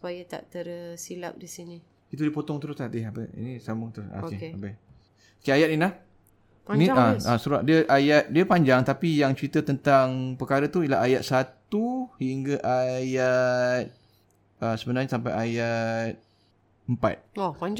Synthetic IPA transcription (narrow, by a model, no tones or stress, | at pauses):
su̥pajat̪a̰ʔt̪ərsila̰p̚disini | kit̪udipot̪ɔŋt̪əɾʊslaht̪ɪhapə̰ḭnisamʊŋt̪ɾʊsa̰ɪapə | kiajat̪̚inlah | pniaasuɾa̰ʔdiəʔajat̪̚diəpaɲd͡ʒaŋt̪apijaŋt͡ʃəɾit̪ət̪ənt̪aŋpəkaɾət̪uiəla̰ɦajat̪̚sat̪uhiŋɡaʔajat̪̚ | əsəbənarɲasampajajat̪̚ | əmpa̰t̪̚opaɲd͡ʒ